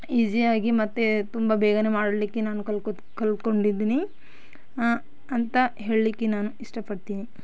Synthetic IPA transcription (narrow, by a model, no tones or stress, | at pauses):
id͡ʒijaːɡimɐt̪ːet̪umbɐbɛːɡɐnemaːɽlikːenaːnukɐl | kɐlko̞ɳɖid̪iːni | ɐnt̪ɐɦe̞ːɭlikːenaːnuiʂʈɐpɐɽt̪iːni